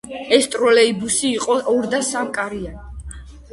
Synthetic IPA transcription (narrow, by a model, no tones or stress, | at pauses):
ɛst̪ʼɾɔlɛibusiːqʼɔʔɔɾd̪asamkʼaɾian